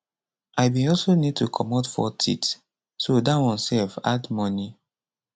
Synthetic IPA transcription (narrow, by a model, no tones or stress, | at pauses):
ʔaɪbĩɔlsonid̚tukʰɔmɔtfɔ̰tʰḭt | sodawɔ̃nsɛlfa̰dmɔni